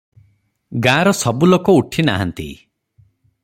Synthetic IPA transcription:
ɡaɾɔsɔbulokɔuʈʰina̰ɦa̰nt̪ḭ

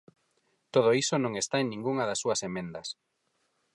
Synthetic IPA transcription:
t̪oð̞oisonõŋest̪aeŋnĩŋɡuŋɐðɐsːuɐsemẽnd̪ɐs

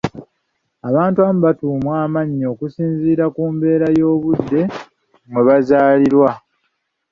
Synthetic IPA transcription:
aβaːntuamuβatuːmwaːmaɲːo̞ːkusiːnziːɾakuːmbe̞ːɾajo̞ːβudːe̞ | mwe̞βazaːliɾwa

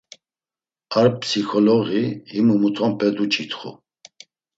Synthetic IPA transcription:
aɾpsikʰɔlɔɣihimumut̪ʰɔmpʰʼɛd̪ut͡ʃʰʼit̪χṵ

